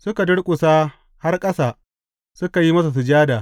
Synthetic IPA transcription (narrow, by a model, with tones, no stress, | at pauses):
sʊ˦ka˨dʊ˦ɽkʷʼʊ˨saː˦ | ha˦rkʼɐ˦saː˨ | sʊ˦ka˨ji˦mɐ˦s̬a˨s̬u˨d͡ʒaː˦daː˨